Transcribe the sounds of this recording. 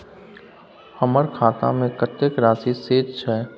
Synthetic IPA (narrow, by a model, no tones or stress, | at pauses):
həməɾkʰaːt̪a̰mẽkət̪əkɾaːsiseːd͡ʒt͡ʃʰɛː